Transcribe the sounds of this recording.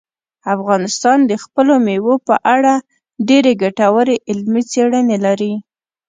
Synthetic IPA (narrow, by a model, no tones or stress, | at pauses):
afɣɑnɪst̪ɑnd̪əxpəlomewopəʔaɽa | ɖeɾeɡaʈawəɾeʔɪlmit͡seɽənelaɾi